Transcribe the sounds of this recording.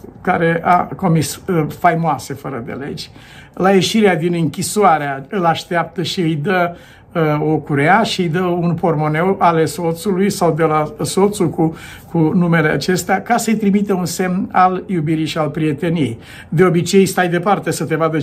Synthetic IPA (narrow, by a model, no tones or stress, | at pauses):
kaɾe̞ʔa̰ko̞misfajmoase̞fəɾəd̪e̞̰le̞̰d͡ʒʲ | laje̞ʃiɾead̪inɨŋkʲisuaɾeaɨlaʃt̪eap̚t̪əʃiɨjd̪ə | o̞kuɾeaʃiɨjd̪əunpo̞rmo̞ne̞wale̞so̞t̪sulujsawd̪e̞laso̞t̪suku | kʰunume̞le̞a̰t͡ʃe̞st̪eakasəɨjt̪ɾimit̪eunse̞mnaljubiɾiʃialpɾie̞t̪e̞nijḛj | d̪e̞o̞bit͡ʃejst̪ajd̪e̞part̪e̞sət̪e̞vad̪ə